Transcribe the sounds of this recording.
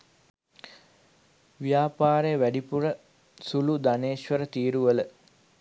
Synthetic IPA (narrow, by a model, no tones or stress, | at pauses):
ʋijaːpaːɾejəʋæɖipuɾə | sulud̪aneːʃʋəɾət̪iːɾuʋələ